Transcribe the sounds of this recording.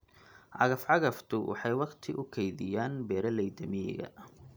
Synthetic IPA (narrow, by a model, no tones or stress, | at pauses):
ʕɑɣɐfʕɑɣɐft̪ʰʊwʔɑ̰ħɑjwɑqt̪ʰɪʔʊkʰɛjðɪjaːnbɛːɾɐlɛjd̪ɐmɪɛ̰ɣɐ̰